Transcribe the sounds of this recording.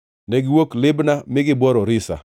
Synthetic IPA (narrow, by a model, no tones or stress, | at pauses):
nɛɡɪwoklɪbnamɪɡɪbɔɾɔɾɪsa̰